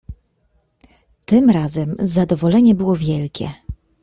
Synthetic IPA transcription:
t̪ɘmɾazɛmzad̪ɔvɔlɛɲɛbɘwɔvʲjɛlkʲɛ̰

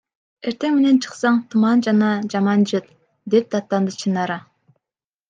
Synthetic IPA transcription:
eɾt̪e̞ŋme̞ne̞nt͡ʃʰɯ̥qsɑɴt̪ʰumɑnd͡ʒɑnɑd͡ʒɑmɑnd͡ʒɯt̪ | d̪ep̚d̪ɑt̪ːɑnd̪ɯt͡ʃʰɯnɑɾɑ

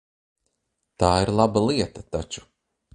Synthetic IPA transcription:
t̪aːiɾlˠabalˠiɛt̪at̪at͡ʃu̥

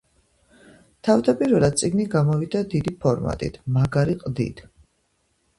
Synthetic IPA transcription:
t̪ʰavd̪apʼiɾvɛlˠad̪̚t̪sʼiɡniɡamɔvid̪ad̪id̪ipʰɔɾma̰t̪ʼḭt̪ʰmaɡaɾiqʼd̪ḭd̪̥

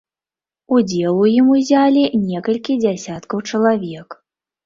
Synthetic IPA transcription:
ud͡zʲɛlˠujimuzʲalʲinʲɛkɐlʲkʲid͡zʲasʲat̪kɐwt͡ʂɐlˠavʲɛk

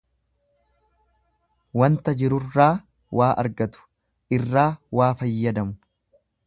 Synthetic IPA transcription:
wɐnt̪ɐd͡ʒɪɾʊrːaː | wʔaːʔɐ̰ɾɡɐt̪ʊ̥ | ʔɪrːaːwaːfɐjːɐd̪ɐmʊ̥

